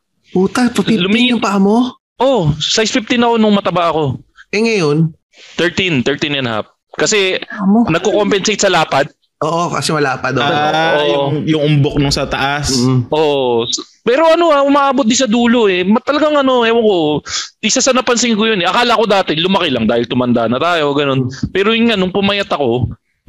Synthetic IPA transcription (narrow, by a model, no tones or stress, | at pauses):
puːt̪ɐpɐilʊmiŋɪpɐʔɐmo | ʔosajsfɪft̪ɪnɐko̞nʊŋmɐt̪ɐbaʔɐko̞ʔɛŋɐjon | t̪ɛɹt̪int̪ɛɹt̪injɐnha̰p̚ | kɐsɛmnɐɡ̚kokompɛnsejt̪̚sɐlaːpɐd̪̚ | ʔoːʔokɐ̰sɛmɐlaːpɐd̪oʔojʊŋjʊŋʊmbok̚nʊŋsɐt̪ɐʔasʔoːʔs | pɛːɾo̞ɐno̞aʔʊmaːʔaːbot̪̚d̪ɪsɐd̪uːlo̞ʔɛmɐt̪ɐlɐɡaŋɐno̞ɛwɐŋko̞ʔɪsasɐnɐpɐnsɪŋkojonɛʔɐkaːlɐɐko̞d̪aːt̪ɛlʊmɐkɛlɐŋd̪aːhɪlt̪ʊmɐnd̪aʔnɐt̪aːjo̞ɡɐno̞npɛːɾojʊnŋanʊŋpʊmɐjɐt̪ɐko̞